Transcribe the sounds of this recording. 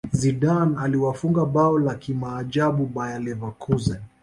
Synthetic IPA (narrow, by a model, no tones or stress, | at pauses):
zidanaliwafuŋɡaɓaɔlakimaːd͡ʒaɓuɓajalɛvakʰuzɛn